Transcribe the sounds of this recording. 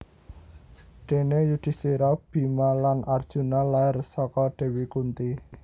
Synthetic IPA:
ɖ̥e̤nejud̪̥i̤seɾab̥i̤malanʔard̥ʒ̥ṳnalaɪrsɔkɔɖ̥e̤wikunt̪i

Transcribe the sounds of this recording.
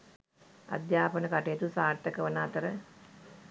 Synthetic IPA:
a̰d̪jaːpənəkaʈejet̪usaːɾt̪ːəkəʋənaːt̪əɾə

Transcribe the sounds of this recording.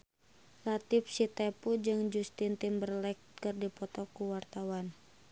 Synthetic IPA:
lat̪ifsit̪ɛpud͡ʒɨŋd͡ʒust̪int̪ɪmbərlɛk̚t̪kɨrdipɔt̪ɔkuwart̪awan

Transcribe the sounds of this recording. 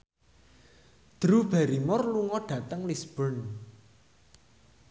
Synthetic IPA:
d̪̥ɾub̥aɾimɔrluŋɔɖ̥ä̤t̪əŋlisb̥ɔn

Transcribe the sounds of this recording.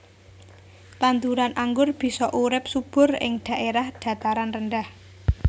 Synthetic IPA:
t̪ant̪uɾanʔaŋɡʊrb̥i̤sɔʔuɾɪp̚sub̥ʊ̤rɪ̰ŋd̥a̤ʔeɾahd̪̥ä̤t̪aɾanrənɖah

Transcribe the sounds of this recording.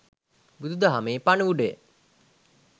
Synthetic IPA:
bud̪ud̪aɦameːpanuʋuɖej̰

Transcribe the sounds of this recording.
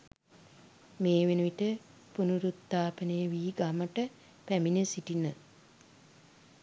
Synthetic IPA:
meːʋenuʋiʈə | punuɾut̪ːaːpənəjəʋiːɡaməʈə | pæminəsiʈinə

